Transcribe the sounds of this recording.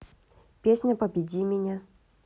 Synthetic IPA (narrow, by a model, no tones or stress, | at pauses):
pʲesʲnʲəpəbʲɪdʲimʲɪnʲa